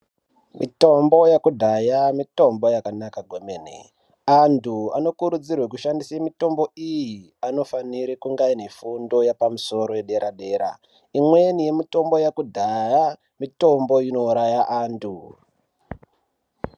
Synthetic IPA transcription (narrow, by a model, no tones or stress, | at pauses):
mʔḭto̞mbo̞jakudʱajamito̞mbo̞jakanakaɡʱomeːnḛ | antʰua̰no̞kuɾud͡zirwek̬uʃandisaemito̞mbo̞iji | ano̞faniɾikuŋɡainefundo̞japamuso̞ɾo̞jeɗe̞ɾʔaɗe̞ːɾa̰ | imwenije̞mito̞mbo̞jakudʱaja | mito̞mbo̞jino̞uɾajaʔaːntʰu